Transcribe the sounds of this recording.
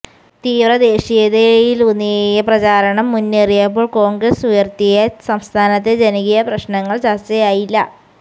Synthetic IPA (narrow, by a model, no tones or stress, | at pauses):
t̪iːʋrɐd̪e̞ːɕijɐðejilunːijejɐprɐt͡ɕaːɾɐɳɐmːunːerijaːp̬ːo̞ːɭko̞ːŋɡrɐsujɐrt̪ijɐsɐmst̪ʰaːnɐt̪ːe̞d͡ʑeniɣijɐprɐɕnɐŋːɐɭt͡ɕɐst͡ɕɐjaːjilːɐ̰